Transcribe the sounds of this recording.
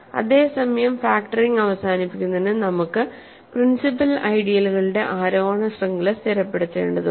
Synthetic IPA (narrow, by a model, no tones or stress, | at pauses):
ɐ̰ðe̞ːsɐmɐjɐmfaːkʈɐriŋɡɐʋɐsaːnipːikʲːunːenɨnɐmukːɨ | prinsip̬ɐlɐjɽijɐluɣɐɭɨɽe̞ʔaːɾoːɡɐɳɐsrɐŋɡilst̪ʰiɾɐpːe̞ɽut̪ːe̞̰ːɳɖɐðɨ